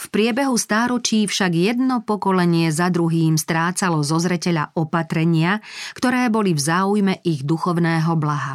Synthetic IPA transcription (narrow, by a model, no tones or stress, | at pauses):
fpɾɪɛbɛɦust̪aːɾɔt͡ʃiːfʃaɡjɛd̪nɔpɔkɔlɛɲɪɛzad̪ɾuɦiːmst̪ɾaːt͡salɔzɔzɾɛcɛʎa̰ʔɔpat̪ɾɛɲɪakt̪ɔɾɛːbɔlivzaːujmɛʔiɣd̪uxɔʊnɛːɦɔblaɦa